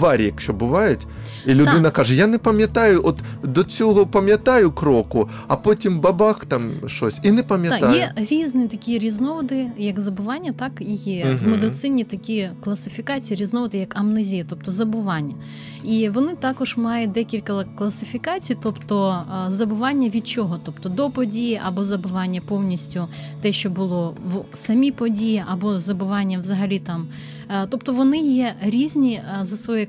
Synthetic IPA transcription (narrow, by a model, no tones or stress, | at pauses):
vaɾʲɛkɕɔbɨʋajʊt̪ | ilʲʊd̪ɪnɐkaʐɨjanɛpɐmʲjɐt̪ajʊʔɔt̪d̪ɔt͡sʲɔɣɔpɐmʲjɐt̪ajʊkɾɔkʊ | ɐpotʲɪmbabaxt̪amʂt̪osʲinɛpɐmʲjɐajɛɾʲiznɨt̪ɐkʲijɾʲiznɔʋɔd̪ɪjɐkzɐbɨʋanʲːɐt̪akijɛvmɛd̪ɨt̪sɪnʲːit̪ɐkʲijɛklˠɐsɨfʲikat͡sʲijːɾʲiznɔʋɔd̪ɨjɐkɐmnɪzʲijɐt̪ɔp̚t̪ɔzɐbɨʋanʲːɐ | iʋɔnɪt̪ɑkɔʒmɑjʊd̪ɛkʲilʲkɐklˠɐsɪfʲikɑt͡sʲijt̪ɔpt̪ɔzɐbʊʋɑnʲːɐʋʲid̪̚t͡ʃɔɦɔt̪ɔpt̪ɔd̪ɔpɔdʲijiʔɐbɔzɐbʊʋɑnʲːɐpɔwnʲisʲtʲʊt̪ɛʃt͡ʃɔbʊlˠɔʋsɐmʲipɔdʲijiʔɐbɔzɐbʊʋɑnʲːɐʋzɐɦɐlʲit̪ɑm | t̪ɔpt̪ɔʋɔnɪjɛɾʲizʲnʲizɐsʋɔjɛ